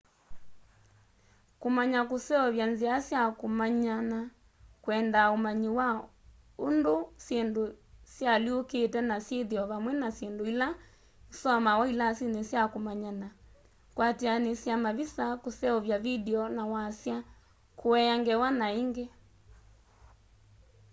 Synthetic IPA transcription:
komaɲakosɛɔβjanziasjakomaɲana | kwɛndaomaɲiwa | ondosendosjalioketɛnasjeðiɔβamwɛnasjendoila | sɔmawɔilasinesjakomaɲana | kwatianesjamaβisakosɛɔβjaβidɛɔnawasja | kʰoɛaŋɡɛwanaiŋɡe

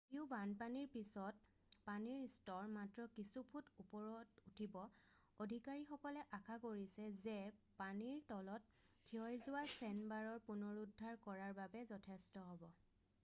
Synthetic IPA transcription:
iʊbanpaniɹpisɔt̚ | paniɹstɔɹmatɹɔkisupʰutupɔɹɔtutʰibɔ | odʱikaɹixɔkɔlɛʔakʰakoɹisɛzɛpaniɹtɔlɔt̚ | kʰiɔjzʊwasɛnbaɹɔɹpunɔɹudʱːaɹkɔɹaɹbabɛzɔtʰɛstɔɦɔbɔ

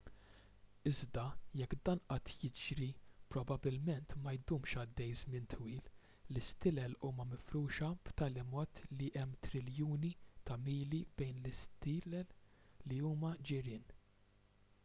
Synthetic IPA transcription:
ɪzd̪ɐjɛkːd̪ɐːnʔɐt̪ʰjɪd͡ʒɾipɾɔbɐbɪlmɛnt̪mɐjd̪uːmʃɐd̪ːɛjzmɪnt̪ʰwiːl | lɪst̪ɪlɛluːmɐmɪfɾuːʃɐbt̪ɐːlɪmɔːt̪liʔɛmːt̪ɾɪljuːnit̪ɐmiːlib̥ɛjnlɪst̪ɪːlɛlːiuːmɐd͡ʒɪɾɪːn

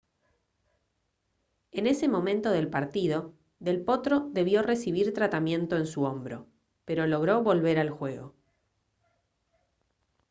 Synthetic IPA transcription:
e̞ne̞semõ̞mẽnt̪o̞ðe̞lpaɾt̪ið̞o̞ | ðe̞lpo̞t̪ɾo̞ðe̞β̞jo̞re̞siβ̞iɾt̪ɾat̪amje̞nt̪o̞ensuo̞mbɾo̞̰ | pe̞ɾo̞lo̞ɣ̞ɾo̞βo̞lβe̞ɾalxwe̞ɣo̞

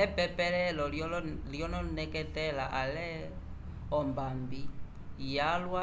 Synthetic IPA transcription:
ɛpɛpɛlɛlɔljɔnɔnɛkɛtɛlaʔalɛ | ɔmbambi | jalwa

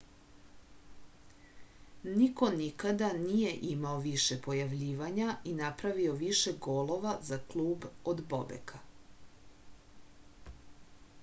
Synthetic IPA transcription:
niko̞nikad̪anije̞ʔimaoʋiʃe̞po̞jaʋʎiːʋaɲainapɾaʋio̞ʋiʃe̞ɡoːlo̞ʋazaklˠuːbod̪bo̰bḛkʰa

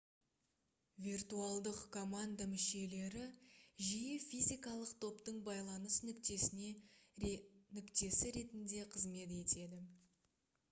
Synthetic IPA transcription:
vʲirt̪uɑlˠd̪əqkʰo̞mand̪amɪʃe̞le̞ɾɪʒijɪfʲijzʲijkɑlˠəqt̪ʰo̞pt̪əɴbɑjlˠɑnəsnʏkt̪esɪne | nʏkt̪e̞sɪɾe̞t̪ɪnd̪e̞qʰəzme̞t̪̬e̞t̪e̞d̪ɪ

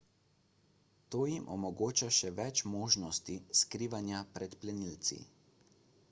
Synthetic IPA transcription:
t̪oːjimʔɔmɔɡoːt͡ʃaʃɛʋɛt͡ʃmoːʒnɔst̪iskɾiːʋanjapɾɛt̪plɛnilt̪sḭ

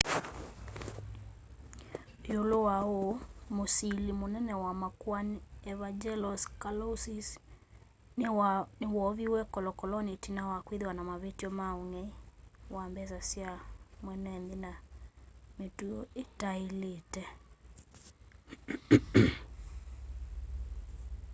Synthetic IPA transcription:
jolowaomosilimonɛnɛwamakwaniɛβad͡ʒɛlɔskalɔsis | nnewɔβiwɛkɔlɔkɔlɔnitinawakwiðewanamaβetiɔmaoŋɛiwambɛsasjamwɛnɛnðina | metuoetailetɛ

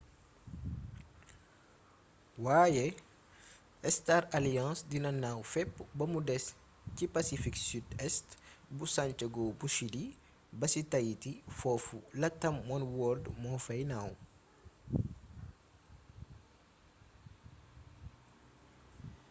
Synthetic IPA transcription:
waːjɛ | ɛstaɾaljɑ̃ːsdinɐnaːwfɛpːbɐmudɛs | cipasifiksyːdɛstbusant͡ʃɐɡobusidi | bɐsitɐjitifɔːfulɐtːɐmːɔnwɔːldmɔfɐjnaːw

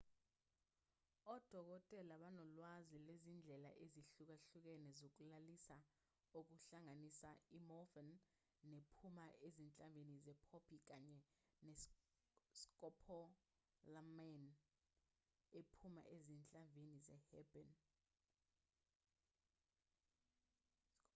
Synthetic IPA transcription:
ɔd̥ʱɔk̬ɔtʼɛlaɓanɔlwazilwezind͡ɮʱɛla̰ʔeziɬuk̬aɬuk̬ɛnɛzok̬ulalisa | ok̬uɬaŋanisaimɔvɛnː | epʰumaʔezint͡ɬʼamvʱenizɛpʰopʰik̬aɲɛne | skʼɔpʰɔ | lamɛn | epʰuma̰ʔezint͡ɬʼaɱbʱenizɛ̰hɛbɛn

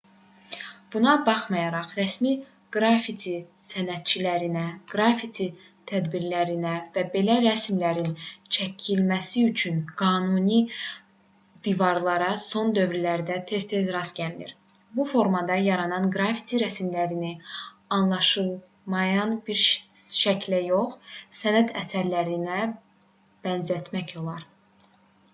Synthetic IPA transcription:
b̥unɑbɑχmɑjɑɾɑχɾæsmi | ɡ̥ɾɑfit̪ʰisænæt̪̚t͡ʃʰilæɾinæɡ̥ɾɑfit̪ʰi | t̪ʰæd̪biɾlæɾinævæbe̞læɾæsmlæɾint͡ʃʰæcʰilmæsiyt͡ʃʰynɡ̥ɑːnuni | d̪̥ivɑɾlˠɑɾɑso̞nd̪ø̞vɾilæɾd̪æt̪ʰe̞st̪ezɾɑsɟælnḭɾ | bufo̞ɾmɑd̪ɑjɑɾɑnɑnɡɾɑfi̥t̪ʰiɾæsmlæɾini | ɑnlˠɑʃɯlˠ | mɑjɑnbiɾʃæcʰlæjo̞χsænæt̪ʰæsæɾlæɾinæ | b̥ænzæt̪ʰmæço̞lˠɑɾ

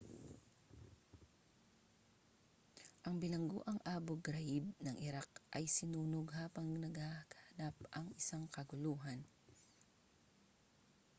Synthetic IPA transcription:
ʔɐŋbɪlɐŋɡo̰ʔɐŋʔaːboɡɾɐjɪbnɐŋʔɪɾakʔɐjsɪnuːnoɡɦaːpɐŋnɐɡaɡɐhɐnapʔɐŋɪsaŋkɐɡʊluːɦan

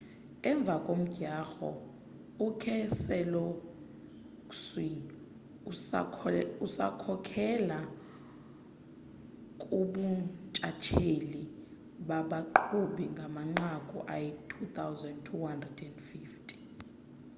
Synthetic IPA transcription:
ɛɱb̪vʱakʼom̩ɡ̥ʱaːxɔ̰ | ukʰɛsɛlo | kswini | usa̰kʰɔkʰɛla | kʼuɓut͡ʃʼat͡ʃʰeli | ɓaɓaǃʰuɓiŋɡʱamaŋ͡ǃakʼṵʔa̰jɛtʰut̪ʰawzɛndtʰuhandrɛdɛndfiːftʰʼi̥

